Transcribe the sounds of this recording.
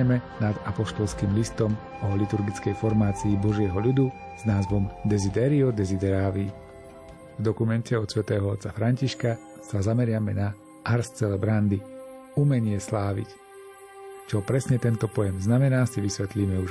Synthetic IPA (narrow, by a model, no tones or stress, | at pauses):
ɛmɛnad̪apɔʃt̪ɔlskiːmlist̪ɔm | ɔlit̪uɾɡit͡skɛjfɔɾmaːt͡siːbɔʒɪɛɦɔʎud̪uz̥naːzʋɔmd̪ɛzid̪ɛɾiɔd̪ɛzid̪ɛɾaːʋi | vd̪ɔkumɛncɛɔt̪sʋɛt̪ɛːɦɔɔt̪t͡safɾaɲciʃka | sazamɛɾɪamɛna | ʔaɾst͡sɛlɛbɾand̪i | umɛɲɪɛslaːʋḭc | t͡ʃɔpɾɛsɲɛt̪ɛnt̪ɔpɔjɛmznamɛnaːsiʋisʋɛt̪liːmɛuʒ